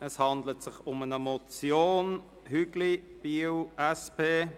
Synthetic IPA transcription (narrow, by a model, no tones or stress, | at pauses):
ɛshɑnd̪lətsɪχʊmənəmɔt͡sjoːn | hyɡlib̥iəwʔɛspʰeː